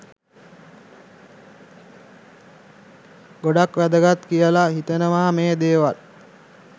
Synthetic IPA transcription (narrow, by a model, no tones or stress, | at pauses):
ɡoɖakʋæd̪əɡat̪kijəlaɦit̪ənəʋaːmeːd̪eːʋal